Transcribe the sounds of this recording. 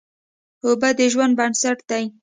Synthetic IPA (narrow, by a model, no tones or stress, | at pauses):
hobad̪əʒwand̪̚bansaʈd̪aj